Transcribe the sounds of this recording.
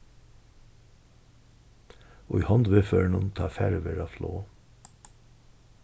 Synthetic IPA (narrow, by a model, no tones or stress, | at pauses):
o̰ːiːhɑnd̪ʋeːføːɳʊnt̪ʰɑːfæɾʋəɾɑːflo̰ː